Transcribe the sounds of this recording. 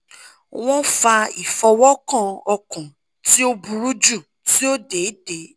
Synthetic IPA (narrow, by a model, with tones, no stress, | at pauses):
w̃ɔ̃˦fa˧ḭ˨fɔ˧wɔ˦kã˦˨ɔ˧kũ˨ | ti˦o˦bu˧ɾu˦d͡ʒu˦˨ | ti˦o˦de˨˦de˨˦